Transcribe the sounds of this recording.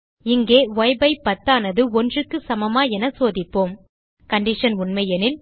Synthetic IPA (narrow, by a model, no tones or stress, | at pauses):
ɪŋɡeːʋɔjbɐɪpːɐt̪ːaːnɐðɯɔndrɯkːɯsɐmɐmaːɛnɐsoːðɪpːoːm | kɐɳɖɪʂɐnʊɳmɐjɐnɪn